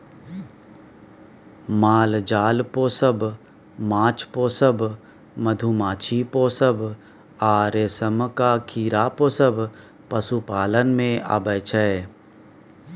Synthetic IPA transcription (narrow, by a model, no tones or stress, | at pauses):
maːld͡ʒaːlpoːsəb | mãːt͡ʃpoːsəb | məd̪ʱumaːt͡ʃʰipoːsəb | aːɾeːsəmkaːkʰiːɾaːpoːsəb | pəsupaːlənmẽa̰bəjt͡ʃʰɛe